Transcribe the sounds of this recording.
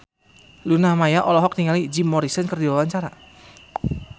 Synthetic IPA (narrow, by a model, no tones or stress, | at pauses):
lunamajaʔɔlɔɦɔk̚niŋalid͡ʒimːɔɾisənkərdiwawaɲt͡ʃaɾa